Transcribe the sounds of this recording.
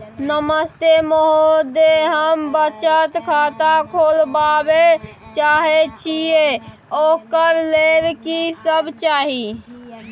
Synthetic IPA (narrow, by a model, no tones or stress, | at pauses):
nəməst̪emoɦod̪eɦəmbət͡ʃət̪kʰat̪akʰolbabe | t͡ʃaɦet͡ʃʰije | okəɾlebkisəbt͡ʃaːɦi